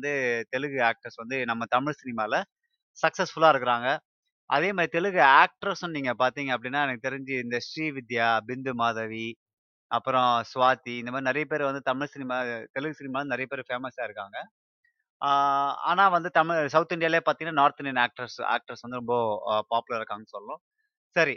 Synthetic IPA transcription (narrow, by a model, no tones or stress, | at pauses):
nd̪ɯt̪ɛlɯɣɯaːk̚ʈɐɾsʋɐnd̪ɯnɐmːɐt̪ɐmɪɻsɪnɪmaːlɐ | sɐksɐsfʊɭaːɪɾɯkːɯɾaːŋɡɐ | ʔɐðeːmaːðɾit̪ɛɭɯɣɯaːk̚ʈɐɾsʊnniːŋɡɐpaːɾt̪iːŋɡɐɐp̬ːɐɽɪnːaːɛnɐkːɯt̪ɛɾɪɲd͡ʒɯɪnd̪ɐʂʈɾiːʋɪd̪jaːbɪnd̪ɯmaːðɐʋi | ɐpːɯɾɔ̃sʊʋaːt̪iɪnɐmaːðɾnɪɾɐjɐpeːɾʋɐnd̪ɯt̪ɐmɪɻsɪnɪmaːt̪ɛɭɯɣɯsɪnɪmaːlɐnɪɾɐjɐpeːɾfeːmɐsaːɪɾɯkːaːŋɡɐ | a̰ːnaːʋɐnd̪ɯt̪ɐmɪɻsɐʊt̪ɪɳɖɪjaːljeːpaːɾt̪iŋɐnːaːnaːɾt̪ɪɳɖɪjɐnaːk̚ʈɐɾsa̰ːk̚ʈɐɾsʋɐnd̪ɯɾɔmbɐpaːpɯlɐɾɾɯkːaːŋɡɐsɔlːɐnʊ̃ | sɐɾi